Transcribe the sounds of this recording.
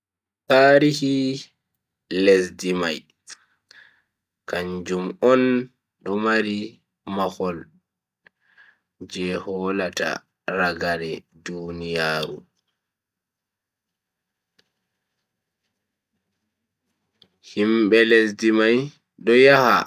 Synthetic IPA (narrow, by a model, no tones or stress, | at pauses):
taːɾihi | lesdimaj | kaɲd͡ʒumɔn | ɗɔmaɾi | maxɔl | d͡ʒɛhɔːlata̰ | ɾaɡaɾɛdunijaːɾṵ | himɓɛlesdimaj | ɗɔjaha̰